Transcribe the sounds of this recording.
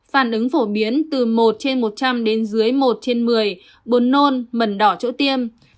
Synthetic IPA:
faː˧˩nʔɨ˨˦ŋfo˧˩ɓi˨˦ənt̪ɨ˨˩mo˨˩t̚t͡ɕe˧nmo˨˩t̚t͡ɕa˧mɗe˨˦nzɨ˨˦əjmo˨˩t̚t͡ɕe˧nmɨ˨˩əj | ɓo˨˩˦nːo˧nmə˨˩nɗɔ˧˩t͡ɕo̰˧˥t̪i˧əm

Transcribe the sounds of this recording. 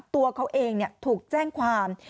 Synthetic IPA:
p̚t̪u˧ɐkʰa˦˥wʔeː˧ŋni˥˩ət̪ʰuː˨˩k̚t͡ɕɛː˥˩ŋkʰwaː˧m

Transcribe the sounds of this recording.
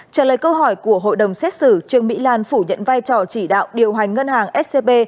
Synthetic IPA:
t͡ɕəː˧˩ləː˨˩jkə˧wɦɔ˧˩jku˧˩əɦo̰˧˨jɗə˨˩wŋ͡msɛ˦˥t̚sɨ˧˩t͡ɕɨ˧əŋmḭ˧˥laː˧˩nfu˧˩ɲə̰˧˨nvaː˧jt͡ɕɔ˨˩t͡ɕi˧˩ɗa̰ː˧˨wɗi˨˩əwɦa˨˩jŋ̟ŋə˧nhaː˨˩ŋʔɛ˦˥t̚se˧ɓe˧

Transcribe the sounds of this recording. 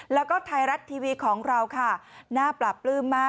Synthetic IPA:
lɛː˦˥wkɔː˥˩t̪ʰa˧jɾa˦˥t̪ʰːiː˧wiː˧kʰɔː˩˦ŋɾa˧wkʰa˥˩naː˥˩pla˨˩pːlɯː˥˩mmaː˥˩

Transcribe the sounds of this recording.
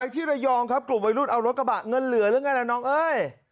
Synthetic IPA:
a˧jt̪ʰiː˥˩ɾa˧jɔː˧ŋkʰa˦˥p̚klu˨˩mwa˧jɾuː˥˩t̪̚ʔa˧wɾo˦t̪̚kɾa˧ba˨˩ŋɤ˧nlɯ˨˩˦əɾɯ˨˦ŋa˧jlɛː˨˩nɔː˦˥ŋʔɤː˧j

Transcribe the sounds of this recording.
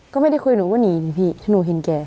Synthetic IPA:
kɔː˥˩ma˥˩˨da˥˩jkʰu˧nuː˨˦kɔː˧˩˨niː˨˧˦ni˧˦pʰiː˧˩˨tʰa˧˩nuː˨˦ɦe˨˦nkɛː˧

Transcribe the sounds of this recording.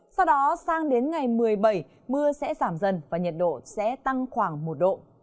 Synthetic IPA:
sa˧wɗɔ˨˦saː˧ŋɗe˨˦nŋa˨˩jmɨ˨˩əjɓə˧˩j | mɨ˧əsɛ̰˧˥zaː˧˩mzə˨˩nvaː˨˩ɲə˨˩t̚ɗo̰˧˨sɛ̰˧˥t̪a˧ŋxwaː˧˩ŋmo˨˩t̚ɗo̰˧˨

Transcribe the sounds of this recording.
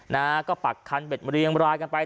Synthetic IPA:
na˦˥kɔː˥˩pa˨˩kʰːa˧nbe˨˩t̪̚ɾi˧əŋɾaː˧jka˧npa˧j

